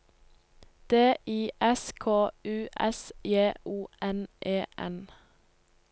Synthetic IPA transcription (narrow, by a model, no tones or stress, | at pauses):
d̪̥eːʔiːʔɛskʰoːʉːʔɛ̰sjeːʔuːʔɛnʔeːʔɛ̰n